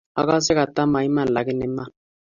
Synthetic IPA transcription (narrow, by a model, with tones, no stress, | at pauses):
a̰˨ka˦s̬ɛ˦ka˨ta˦ma˨i˦ma˦˨n̩˨la˨ki˦nɛ˨mːa˦˨